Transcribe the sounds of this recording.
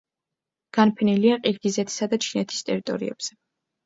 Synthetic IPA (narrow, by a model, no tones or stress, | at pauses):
ɡ̥anpʰɛniliaqʼiɾɡizɛt̪ʰi̥sad̪at͡ʃʰinɛt̪ʰi̥st̪ʼɛɾit̪ʼɔ̰ɾḭɛ̰b̥z̥ɛ